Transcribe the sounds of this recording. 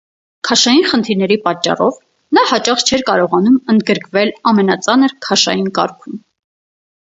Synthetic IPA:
kʰɑʃɑjinχənt̪ʰiɾnɛɾipɑt͡ʃːɑ̰rɔv | nɑhɑt͡ʃɑχt͡ʃʰɛɾkɑɾɔʁɑnumənd̪̚ɡəɾkvɛlɑmɛnɑt͡sɑnəɾkʰɑʃɑ̰jinkɑ̰ɾkʰum

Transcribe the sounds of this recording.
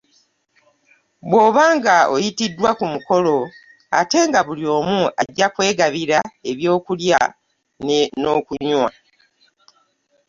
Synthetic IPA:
βwo̞ːβaːŋɡao̞̰jitidːwakumuko̞lo̞ | a̰te̞ŋɡaβulio̞ːmuaɟːakwe̞ːɡaβiɾae̞βjo̞ːkulja | nenoːkuɲwa

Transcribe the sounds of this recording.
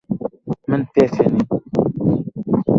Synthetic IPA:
mɨntɛfɛni

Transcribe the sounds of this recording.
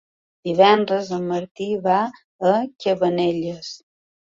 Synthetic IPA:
d̪iβɛnd̪ɾəzəməɾt̪iβa | əkʲəβəneʎəs

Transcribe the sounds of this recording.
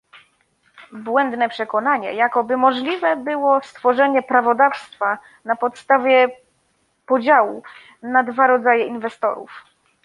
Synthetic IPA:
bwɛnd̪nɛpʂɛkɔnaɲɛ̰jakɔbɘmɔʐlʲivɛbɘwɔst̪fɔʐɛɲɛpɾavɔd̪afst̪fa | napɔt̪st̪avʲjɛ | pɔd͡ʑawu | nad̪vaɾɔd̪zajɛinvɛst̪ɔ̰ɾṵf

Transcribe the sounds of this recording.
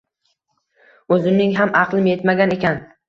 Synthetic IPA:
ɵzɪnɪŋɦamʔɑqlˠɪmje̞t̪maɡʲane̞kʲʰan

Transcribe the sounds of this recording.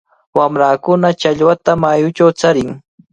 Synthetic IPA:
wamɾaːkʊnat͡ʃaʎwat̪amajʊt͡ʃawt͡saɾɪŋ

